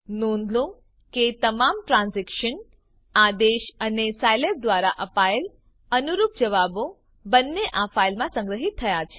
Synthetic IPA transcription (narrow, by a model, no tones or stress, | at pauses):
nõnd̪lũ | ket̪əmamʈɾãnzɛkʃən | ad̪eʃənesajlep̚d̪ʋaɾaʔəpael | ənuɾup̚d͡ʒəʋabo | bənːeʔafailmãsə̃ŋɡɾəɦit̪ʰːəjat͡ʃʰe̥